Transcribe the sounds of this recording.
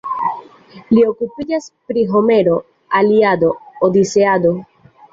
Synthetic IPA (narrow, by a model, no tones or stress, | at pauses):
lio̞kupid͡ʒaspɾiɦo̞me̞ɾo̞ | aliad̪o̞ːd̪ise̞ad̪o̞